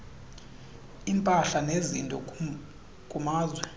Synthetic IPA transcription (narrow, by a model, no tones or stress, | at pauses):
impʼaɬanezintʼɔ | kʼumaːzwɛ